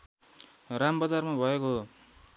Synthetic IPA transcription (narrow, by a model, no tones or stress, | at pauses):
rambʌd͡zarmabʱʌeko